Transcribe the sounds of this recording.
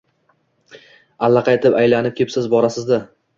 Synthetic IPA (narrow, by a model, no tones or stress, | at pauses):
alːɑqʰɑet̪ʰɪpajlanɪp̚kʲʰepsɪzbɒɾasɪzd̪ɪ